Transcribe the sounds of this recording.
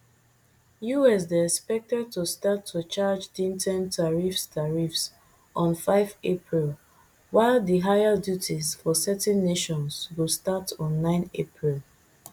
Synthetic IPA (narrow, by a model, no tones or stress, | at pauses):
juɛs̬deɛspɛk̚tɛd̚tustatʰːut͡ʃad͡ʒdĩntʰɛ̃ntʰaɹifstʰaɹifs | ʔɔ̃nfaɪvepʰɹil | waɪldiɦajadjutʰizfɔsɛtɛ̃nːeʃɔ̃nswɪstatɔ̃nːãɪ̃nepʰɹil